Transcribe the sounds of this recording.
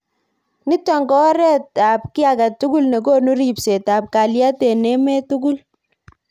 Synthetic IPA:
nɪ˦tɔ˨ŋɡɔ˦ɾɛ˦ta˨p̚kɪ˦a˨ka˨tu˦ɡu˦lne˨ko˦nu˦ɾi˨pse˨ta˨p̚ka˨lja˦te˨nɛ˦mɛ˦tu˦ɡu˦l

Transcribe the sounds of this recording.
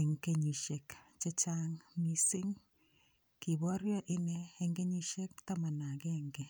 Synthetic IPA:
e˨ŋke˦ɲi˨ʃe˨kt͡ʃe˦t͡ʃa˦ŋmi˦sɪ˦ŋ | ki˨bɔ˦ɾjɔ˦ʔɪ˦nɛː˦ŋɡe˦ɲi˦ʃe˦k̚ta˦ma˨na˨kɛ˦ŋɡɛ˨

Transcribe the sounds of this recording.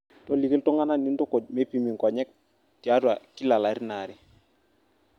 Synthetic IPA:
tɔ˦li˨ke˦ltɔ˦ŋa˦na˦ni˦ndʊ˦ko˨d̚me˦pi˨mi˨ŋkɔ˨ɲɛ˦k̚ | ti˨a˦dwa˨ki˦la˨la˨˦ɾna˨ɾɪ˨

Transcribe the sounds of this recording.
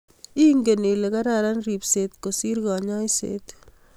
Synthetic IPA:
i˦ŋɡe˨ne˨le˨ka˦ɾaɾa˦nri˨pset̪kosi˦ɾɡaɲɔ˦jsḛt̪

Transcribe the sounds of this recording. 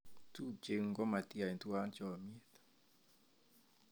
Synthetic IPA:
tu˦d͡ʒe˨ŋɡɔ˦ma˨ti˦a˨i˨ntwa˦nt͡ʃɔ˨mi˦e˨t̪

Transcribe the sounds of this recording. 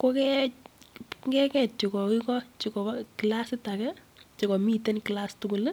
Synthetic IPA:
ko˦kɛ | ŋɡɛ˦kɛ˦t͡ʃi˨kɔ˨ki˦kɔ˦t͡ʃi˨kɔ˨˦kila˦sɪ˦ta˨kɛ˦t͡ʃi˨kɔ˨mi˦te˦nki˨lastʊku˨l

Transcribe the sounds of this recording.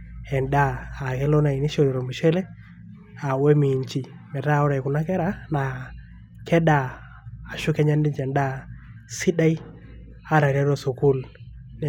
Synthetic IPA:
ɛ˨ndaː˦˨kɛ˦lo˦na˨i˨ni˦ʃo˦˨ɾi˨ɾo˨mu˨ʃe˦le˦ | a˨we˦mi˨ɲt͡ʃi˨ | mɛ˨ta˦˨ɔ˦ɾa˨ku˨na˦kɛ˦ɾa˦na˨ | kʰɛ˦ɗaː˨ | ʃu˦kɛ˦ɲa˦ndi˦d͡ʒɛ˨nda˦ | si˦da˦i˦ | a˨˦ɾa˨ɾja˦ɾo˦˨su˨ku˦l | n˨

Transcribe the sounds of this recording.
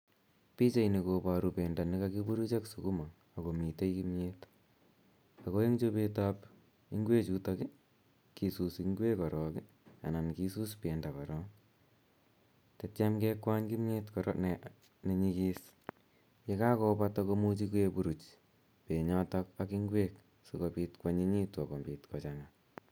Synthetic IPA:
pi˦t͡ʃe˨jni˨ko˨pa˨ɾupeː˨nda˨nɪ˦kakibu˦ɾu˦t͡ʃa˦ksu˨ku˦ma˨ | a˨ko˨mi˨te˦jkimɲe˦t | a˨ko˦e˦ŋt͡ʃo˦pe˦tap | i˦ŋɡwe˦t͡ʃu˦tɔki˦ | ki˨su˨siŋɡwe˦kɔ˨ɾɔ˨ki | a̰˨na˨nkisu˦spe˨nda˨pa˨ɾɔ˦ | te˨tjamke˦kwa˦ɲki˦mɲetkɔɾ̰ne | ne˨ɲi˧kis | je˦ka˦ko˦patoko˧mu˦t͡ʃiku˦e˧buɾu˨t͡ʃ | pe˨ɲɔtɔkakiŋɡwe˦k | so˨kopi˧tkwa˦ɲi˦ɲi˦twa˨ko˨mbi˨tkɔ˨t͡ʃaŋa

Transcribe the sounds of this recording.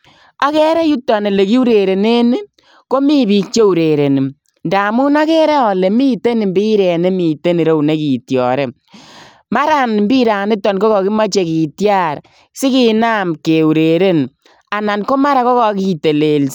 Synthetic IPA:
a˦kɛ˦ɾɛ˦ju˦tːɔ˨ne˨le˨ki˦u˦ɾe˨ɾe˨ne˦ni˦ | ko˦mi˦bi˦k̚t͡ʃe˦u˨ɾe˨ɾe˨ni˨ | ndaː˨mu˦na˦kɛ˦ɾɛ˦ɔ˨le˨miː˦te˦ni˨mbi˦ɾɛ˨ne˦mi˨te˦ni˨ɾo˦u˨ne˦ki˨tjɔ̰˨ɾe˦ | ma˦ɾa˨nmbi˦ɾa˨ni˦tːɔ˨nkɔ˦kɔ˨ki˦ma˦t͡ʃe˨kiː˨tja˦˨ɾ | sɪ˦ki˦na˦mke˨u˨ɾe˨ɾe˦n | a˨na˨nko˦ma˦ɾa˦kɔ˦kɔ˨˦ki˦te˨le˨ls

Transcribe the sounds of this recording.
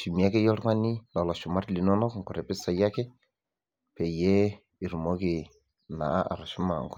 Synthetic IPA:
ʃi˨m˨a˦kɛ˦jɔ˦ɾŋa˦ni˦lɔ˨lɔ˨ʃu˨ma˦ɾli˨nɔ˦nɔ˦kŋkʊ˨ɾɛ˨pɪ˦sa˨ja˦kɛ˦ | pɛ˨jɛ˦ | i˨ɾu˨mɔ˦kɪ˨ | na̰˨a˦ʔa̰˨ɾa˨ʃu˦ma˨ŋkʊ˨

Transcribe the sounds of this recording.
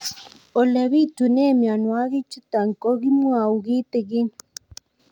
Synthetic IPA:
o˨le˨βi˦t̪u˨ne˦˨mja˨nwa˦ɣi˦t͡ʃu˦t̪a˨ŋ˨ko˦ɣi˦mwa˨u˨ɣi˦t̪ɛ˨ɣi˦ŋ

